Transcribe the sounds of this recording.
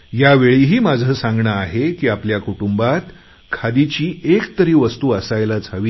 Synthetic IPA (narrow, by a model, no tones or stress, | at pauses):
jaʋeɭiːɦiːmad͡zʱəːsãŋɡɳəaɦekiːapljakuʈumbat̪ | kʰad̪it͡ɕiːekt̪əɾiːʋəst̪uːəsajlad͡zʱaʋiː